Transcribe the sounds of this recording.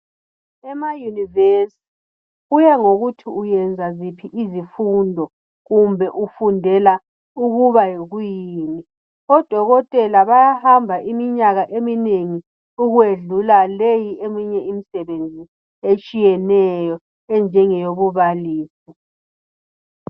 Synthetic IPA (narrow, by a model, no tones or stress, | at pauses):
ɛmajunivesi̥t | ujɛŋoɣutʰiujɛnd͡zʱazipʰiʔizifundʱɔ | ɣumbʱɛʔufundʱɛla | uɣuβajeɣujiːni | ɔd̥ʱɔɣɔtʼɛlaβajahambʱaʔimiɲaɣaʔemineŋi | uɣweɮulalejiemiɲɛimisɛβend͡zʱi | et͡ʃʼijɛnɛjɔ | ɛnd͡ʒʱɛŋɛjoβuβaliːsi